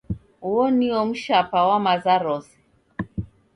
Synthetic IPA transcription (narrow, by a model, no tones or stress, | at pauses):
uɔniɔm̩ʃapawamazaɾɔsi̥